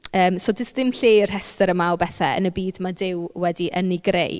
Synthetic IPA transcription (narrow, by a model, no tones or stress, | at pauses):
əːmsod͡ʒəsðɪmɬeːr̥ɦɛstəɾəmawbɛθɛə̰nəbiːdmadɪwwɛdiʔəniɡrḛj